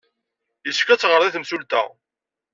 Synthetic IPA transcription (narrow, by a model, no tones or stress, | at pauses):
jəskːæt͡sːʁəɾˤðˤiθəmsult̪æ̰